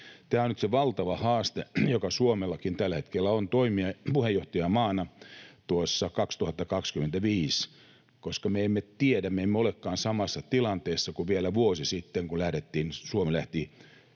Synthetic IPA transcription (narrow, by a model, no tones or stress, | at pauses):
t̪æːonyt̪seʋɑlt̪ɑʋɑhɑːst̪ejokɑsuomelːɑkint̪ælːæhet̪kelːæont̪oimiɑpuhejːoht̪ɑjɑmɑːnɑt̪uosːɑkɑkst̪uhɑt̪ːɑkɑkskyment̪æʋiːs | koskɑmeemːet̪iedæmmeemːeolekːɑːnsɑmɑsːɑt̪ilɑnt̪eːsːɑkuʋielæʋuosisit̪ːeŋkulæhɾet̪ːiːnsuomelæht̪i